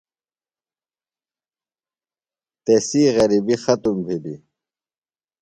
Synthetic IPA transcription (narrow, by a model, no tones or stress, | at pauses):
t̪esiːɣɐɾibixɐt̪umbʱilḭ